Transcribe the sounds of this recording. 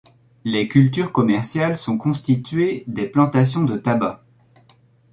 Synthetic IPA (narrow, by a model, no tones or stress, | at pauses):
lekʲylt̪yʁkɔmɛʁsjalsɔ̃kɔ̃st̪it̪ɥed̪eplɑ̃t̪as̬jɔ̃d̪ət̪aba